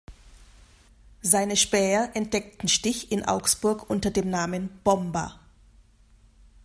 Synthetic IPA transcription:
zaɪnəʃpɛːɐʔɛnt̚d̥ɛk̚tn̩ʃtɪçɪnʔa̰ʊksb̥ʊɐkʔʊntɐdeːmnaːmənb̥ɔmba̰

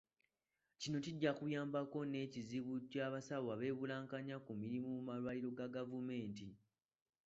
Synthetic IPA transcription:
cino̞ciɟːakujaːmbako̞ne̞ːciziβucaːβasaβwaβe̞ːβulaːŋkaɲakumiɾimumumalwaːliɾo̞ɡaɡavume̞ːnti

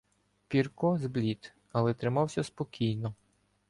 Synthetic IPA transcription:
pʲirkɔzblʲit̪ | ɐlˠɛt̪ɾɪmɑwsʲɐspɔkʲijnɔ

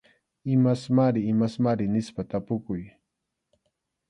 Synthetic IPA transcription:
ɪmasmaɾɪːmasmaɾɪnɪspat̪apʊkʊj

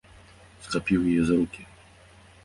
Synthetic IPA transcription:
sk̪apʲiwɘjɛzɾukʲi

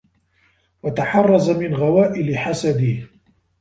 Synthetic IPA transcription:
wat̪aħɑrˤːɑzamɪnɣawaːʔɪlɪħasad̪ɪh

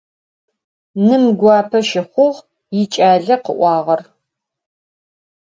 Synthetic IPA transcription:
nɨmɡʷɑːpʰɐʃɪχʷʊʁ | jɪt͡ʃʼaːɮɐqəʔʷɑːʁɐr

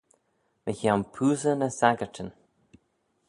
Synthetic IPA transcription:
məçawnpʰuːzənəsaɡətʰən

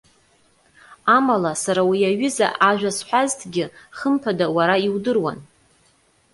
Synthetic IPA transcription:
amalasaɾawiaɥɪza̰ʔaʒᶣasħʷᶣaztʰɡʲɪχəmpʰadawaɾaiwdɨrwa̰n

